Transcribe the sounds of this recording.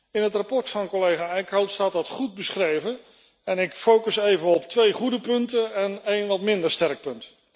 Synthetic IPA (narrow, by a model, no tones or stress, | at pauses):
ɪnɦətrapɔɹtfɑnkɔlejχaːɛjkawtstaːt̚dɑtχut̚bəsχrejvə | ɛnɪkfowkəsejvənɔptʋejχudəpɵntənɛnejnʋɑtmɪndəɹstɛrk̚pɵnt